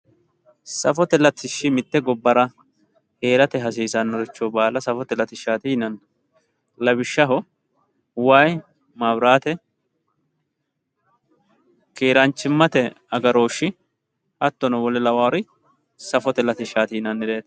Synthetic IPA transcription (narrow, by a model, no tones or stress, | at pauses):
sɐfɔt̪ɛlɐt̪ɪʃːɪmɪt̪ːɛɡɔbːɐɾɐ | he̞ːɾɐt̪ɛɦɐs̬iːsɐnːɔɾɛt͡ʃːoːbaːlɐsɐfɔt̪ɛlɐt̪ɪʃaːt̪ɪhɪnɐn | lɐbɪʃːɐɦɔ | waːj | maːbɾaːt̪ɛ | keːɾɐnt͡ʃːɪmːɐt̪ɛ | ɐɡɐɾo̞ːʃːɪ | hɐt̪ːɔnɔwɔlɛlɐwaːɾɪ | sɐfɔt̪ɛlɐt̪ɪʃaːt̪ɪɪnɐnɪd̪e̞ːt̪